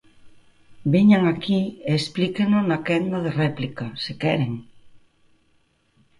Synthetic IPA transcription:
beɲaŋakieːsplikenonakɛnd̪aðerɛplikasekɛɾeŋ

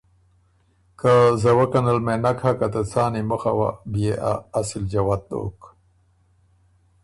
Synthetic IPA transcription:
kazawakanalmenakʰhakat̪ət͡sɑːnimuxawa̰bijeʔa̰ːsild͡ʒawat̪̚d̪o̰k

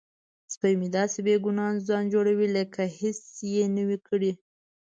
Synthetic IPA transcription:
spəjmid̪ɑsebeɡunɑnzɑnd͡ʒoɽawiləkʰahesjenəwikəɽi

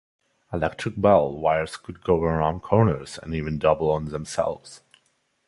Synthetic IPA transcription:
əlɛk̚tʰɹ̥ɨk̚bɛlˠwaɪə˞z̥kʰɨd̚ɡoʊwəãʊ̃nkʰɔɹnə˞z̥ɨ̰̃nivɨ̃ndʌbl̩ˠə̃nðə̃msɛ̰lˠvz̥

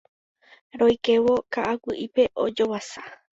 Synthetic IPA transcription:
ɾojke̞ʋo̞kaʔawɨʔipe̞ʔod͡ʒowasa

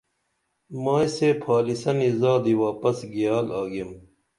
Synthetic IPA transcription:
maːiseːpʰaːlisɐnizaːd̪iwaːpɐsɡijaːlaːɡim

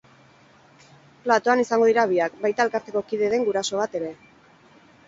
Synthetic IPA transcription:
plat̪o̞anisaŋɡo̞ð̞iɾaβiak̚bajt̪ae̞lkaɾt̪e̞ko̞kiðeðe̞ŋɡuɾaso̞βat̪e̞ɾe̞

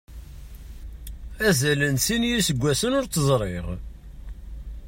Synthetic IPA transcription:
æzælənsinjisəɡʷːæsənʊɾt͡sːəzˤɾˤeʁ

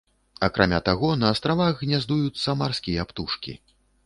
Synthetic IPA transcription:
akɾʔamʲat̪aɣɔnɐːst̪ɾavaɣːnʲazd̪ujut͡sʲsɐmarsʲkʲijɐapt̪uʂkʲḭ

